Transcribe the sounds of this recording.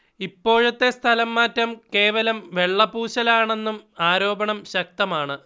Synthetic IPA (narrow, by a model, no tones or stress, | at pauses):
ipːo̞ːɻɐt̪ːe̞st̪ʰɐlɐmːaːtːɐmke̞ːʋɐlɐmʋe̞ɭːɐpuːɕɐlaːɳe̞nːumaːɾo̞ːbɐɳɐmɕɐk̚t̪ɐmaːɳɨ